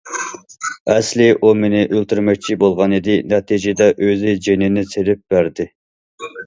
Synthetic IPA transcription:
ɛslɪʔumenɪʔølt̪yɾmɛk̚ʲt͡ʃʰibolˠʁɑnɨd̪ɪnɛt̪ʰid͡ʒɪd̪ɛʔøzɪd͡ʒenɪnɪselɪp̚b̥æɾd̪ɪ

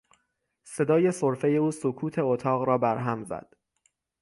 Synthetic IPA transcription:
se̞d̪ɒːje̞soɾfe̞je̞uːsokʰuːt̪ʰe̞ot̪ʰɒːɣɾɒːbæɾɦæmzæ̰d̪̥

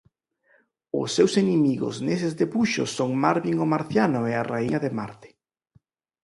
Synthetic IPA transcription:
ʊsːewsenemiɣʊ̰snesezðepuʃʊ̰sːoŋmaɾβiŋʊmaɾθjanʊɛaraiɲɐðemaɾt̪ɪ̥

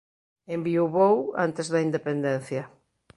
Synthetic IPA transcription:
embiowβowa̰nt̪ezðɐind̪epend̪ɛn̟θjɐ

